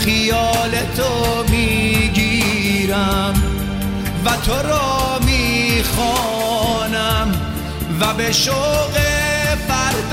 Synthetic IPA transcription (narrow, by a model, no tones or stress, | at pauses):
xijɒːlet̪ʰomiːɡiː | ɾæm | væt̪ʰo̞ɾɔːmiːxɔː | næm | væbe̞ʃoɣebæɾ